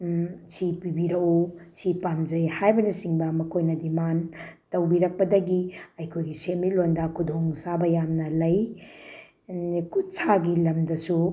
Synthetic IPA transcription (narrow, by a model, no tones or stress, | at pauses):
sipibiɾɐwosipamd͡ʒɐjhajbɐnɐsiŋbɐmɐkʰojnɐdimantɐwbiɾɐk̚pɐdɐɡiɐjkʰojɡisemilondɐkʰudʱoŋsabɐjamnɐlɐj | kʰut̚sʰaɡilɐmdɐsu